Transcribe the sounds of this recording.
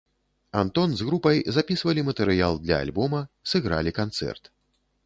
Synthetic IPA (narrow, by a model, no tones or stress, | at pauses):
ant̪ɔnzɣɾupɐjzapʲisvɐlʲimɐt̪ɛɾɨjalˠd̪lʲɐ̰a̰lʲbɔmɐsɨɣɾa̰lʲikant̪sɛ̰rt̪